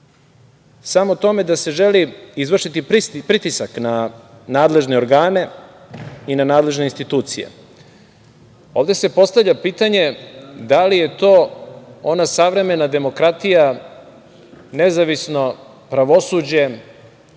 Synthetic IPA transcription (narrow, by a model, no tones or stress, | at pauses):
samot̪o̞me̞d̪ase̞ʒeliizʋrʃit̪ipipɾit̪isakna | naːd̪le̞ʒneo̞ɾɡaːne̞ | inanaːd̪leʒne̞inst̪it̪uːt̪sijḛ | o̞ːʋd̪e̞se̞po̞st̪avʎʲapiːt̪aɲe̞d̪alije̞t̪o̞ːonasaʋɾe̞me̞nad̪e̞mo̞kɾat̪ija | ne̞zaʋisno̞ | pɾaʋo̞suːd͡ʑe̞